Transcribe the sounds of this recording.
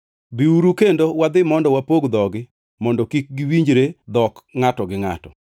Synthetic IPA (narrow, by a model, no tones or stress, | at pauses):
biuɾukendowad̪ɪmɔndɔwapoɡd̪ɔɡɪ | mɔndɔkik̚ɡɪwiɲd͡ʒɾed̪ɔkŋatɔɡɪŋa̰tɔ